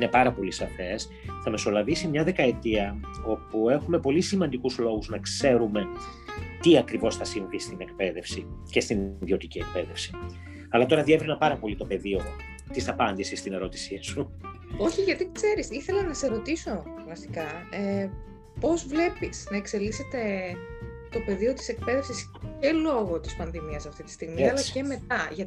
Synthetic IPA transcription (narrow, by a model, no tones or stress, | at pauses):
ine̞pɐɾɐpo̞lisɐfe̞s | θɐme̞so̞lɐvisimɲɐðe̞kɐe̞t̪iɐo̞pue̞xume̞po̞lisimɐnd̪ikuzlo̞ɣuznɐkse̞ɾume̞ | t̪iɐkɾivo̞sθɐsiɱvfist̪ine̞kpe̞ðe̞fsice̞st̪inðio̞t̪icie̞k̚pe̞ðe̞fsi̥ | ɐlɐt̪o̞ɾɐðie̞vɾinɐpɐɾɐpo̞lit̪o̞pe̞ðio | t̪isɐpɐnd̪isist̪ine̞ɾo̞t̪i̥sisu | o̞çiʝɐt̪ikse̞ɾisiθe̞lɐnɐse̞ɾo̞t̪iso̞ | vɐsi̥kɐe | po̞zvle̞pisnɐe̞kse̞lise̞t̪e̞ | t̪o̞pe̞ðio̞t̪ise̞k̚pe̞ðe̞fsis | ce̞lo̞ɣo̞t̪ispɐnðimiɐsɐft̪it̪i̥st̪iɣmiɐlɐce̞me̞t̪ɐʝɐ